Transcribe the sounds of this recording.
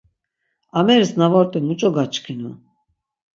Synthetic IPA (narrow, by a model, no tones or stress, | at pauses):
amɛɾsnavɔɾt̪ʼimut͡ʃʼɔɡat͡ʃʼkʰinu